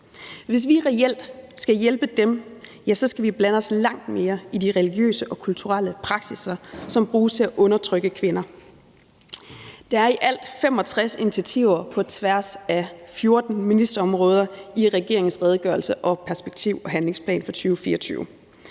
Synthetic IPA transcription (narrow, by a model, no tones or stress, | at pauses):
ʋe̝s̬ʋiʁɛel̰d̥sɡ̥æjelb̥əd̥emjæsɒ̽sɡ̥æʋib̥lænəɒ̽slɑ̈ŋ̰d̥me̝ːɐidiʁɛliɡ̥jø̰ːsəʔɒ̽kʰult͡sʰuʁal̰əpʰʁɑ̈ɡ̥sisɐsɒ̽mb̥ʁuːst͡sʰe̝æʔɔ̽nɐt͡sʰʁœɡ̥əkʰʋe̝nɐ | d̥ɑ̈æɐiʔæl̰d̥femɒ̽t͡sʰʁasinit͡sʰiæt͡sʰḭʊ̰ɐpʰɒ̽t͡sʰʋæɐ̰sæfjo̝ɐd̥n̩minisd̥ɐɒ̽mʁɔ̽ːð̞ˠɐiʁɛɡ̥e̝ɐeŋn̩sʁɛð̞ˠɡ̥ɶɐlsəʔɒ̽pʰæɐsb̥eɡ̥̚t͡sʰiʊ̰ɒ̽ɦænle̝ŋspʰlɛ̰ːnfɒ̽t͡sʰyːʊfḭːɐɒt͡sʰy̰ːʊ